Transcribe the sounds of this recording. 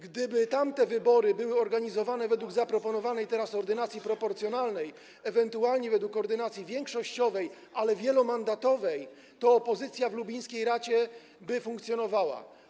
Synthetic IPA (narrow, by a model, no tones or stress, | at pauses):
ɡd̪ɘbɘt̪amt̪ɛvɘbɔɾɘbɘwɘɔɾɡaɲizɔvanɛvɛd̪wuɡzapɾɔpɔnɔvanɛjt̪ɛɾasɔɾd̪ɘnat̪sʲjipɾɔpɔɾt̪sjɔnalnɛj | ɛvɛnt̪ualɲɛvɛd̪wukːɔɾd̪ɘnat̪sʲjivʲjɛŋkʂɔɕt͡ɕɔvɛjʔalɛvʲjɛlɔmand̪at̪ɔvɛj | t̪ɔːpɔzɘt̪sʲjavlubʲij̃skʲejɾat͡ɕɛ | bɘfuŋkt̪sʲjɔnɔvawa̰